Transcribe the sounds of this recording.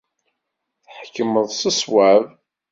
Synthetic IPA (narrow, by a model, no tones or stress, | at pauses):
θħkːəməðˤsəswav